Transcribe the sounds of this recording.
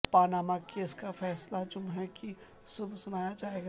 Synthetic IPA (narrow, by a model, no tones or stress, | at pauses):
paːnaːmakeːskafɛːslad͡ʒʊmɦɛki | sʊbsʊnaːjad͡ʒaːeːɡa